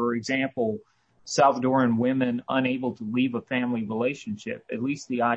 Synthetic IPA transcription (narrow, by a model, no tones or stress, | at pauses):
ə˞ɨɡzæ̃mpl̩ˠ | saʊθdɔɹɨ̃nwɪ̃mɨ̃nə̃neɪbl̩ˠtʰəlivəfæ̃mliɹileɪʃɨ̃nʃɪ̰p̚ɨ̰tˡlist̪̚ðiaɪ